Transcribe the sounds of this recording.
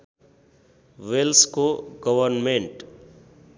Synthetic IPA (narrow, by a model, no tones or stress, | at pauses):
ʋelskoɡəʋəɾnmẽɳʈ